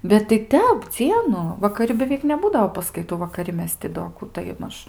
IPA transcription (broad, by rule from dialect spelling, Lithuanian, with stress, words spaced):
bʲɛt tɐɪ ˈtʲɛp ˈd͡zʲiɛnʊ ʋɐkɐˈrʲɪ bʲɛˈʋʲɛɪk nʲɛˈbuːdɐoː pɐskɐɪˈtuː ʋɐkɐˈrʲɪ ˈmʲɛs tʲɪ doː ˈkuː tɐɪ ˈmɐʃ